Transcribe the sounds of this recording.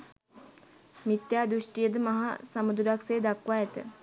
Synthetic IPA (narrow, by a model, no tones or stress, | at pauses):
mit̪jaːd̪ɾuʂʈijəd̪əmɐɦa̰samud̪uɾakseːd̪akʋaɛt̪ə̰